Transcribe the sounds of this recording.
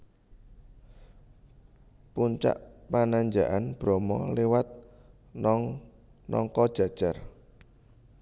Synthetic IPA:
puɲt͡ʃa̰ʔpanaɲd͡ʒaʔanb̥ɾɔmɔlewat̪̚ | nɔŋ | nɔ̰ŋkɔd̥ʒ̥a̤d̥ʒ̥ar

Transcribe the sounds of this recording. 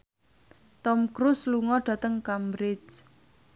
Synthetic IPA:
t̪ɔmkɾusluŋɔɖ̥ä̤t̪əŋkambɾɪt͡ʃ

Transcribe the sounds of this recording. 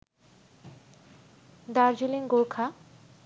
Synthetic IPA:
d̪aɾd͡ʑiliŋɡoɾkʰa

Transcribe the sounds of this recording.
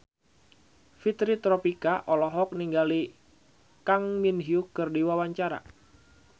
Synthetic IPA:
fit̪ɾit̪ɾɔpikaʔɔlɔɦɔk̚niŋɡali | kaŋminɦiukɨrdiwawaɲt͡ʃaɾa̰

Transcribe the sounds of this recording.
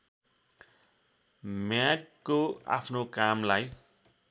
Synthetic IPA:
mjakːoa̰pʰnokamlaj

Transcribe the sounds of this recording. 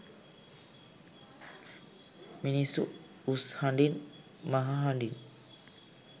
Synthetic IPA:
minisu | ushaɳɖin | maɦaɦaɳɖin

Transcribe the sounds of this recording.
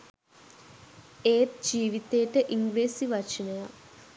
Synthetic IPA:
eːt̪d͡ʒiːʋit̪ejʈəʔiŋɡɾeːsiʋat͡ʃinəja

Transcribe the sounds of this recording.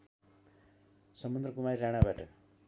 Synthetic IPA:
sʌmund̪ɾʌkumaɾiɾaɽ̃abaʈʌ

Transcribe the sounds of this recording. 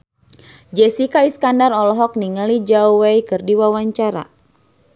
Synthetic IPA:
d͡ʒɛsikaiskandarɔlɔɦɔk̚niŋalid͡ʒauwejkɨrdiwawaɲt͡ʃaɾa̰

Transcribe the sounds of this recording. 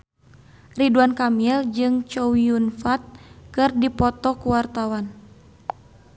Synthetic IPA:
riduankamiɛld͡ʒɨŋt͡ʃɔwiunfat̪̚kɨrdipɔt̪ɔkuwart̪awan

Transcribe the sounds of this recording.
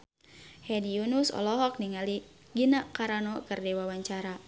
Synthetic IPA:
hɛdijunusɔ̰lɔɦɔk̚niŋali | ɡinakaɾanɔkɨrdɛwawaɲt͡ʃaɾa

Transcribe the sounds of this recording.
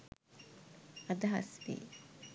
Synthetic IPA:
ɐd̪ɐɦɐ̰sʋḭː

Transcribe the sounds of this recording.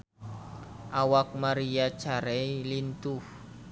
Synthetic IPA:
ʔawak̚maɾijad̥ʒ̥a̤ɾeilint̪uh

